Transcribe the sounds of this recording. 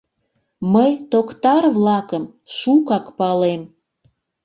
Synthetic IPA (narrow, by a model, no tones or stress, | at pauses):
məjt̪okt̪ɑrβlɑkəmʃukɑkpɑlem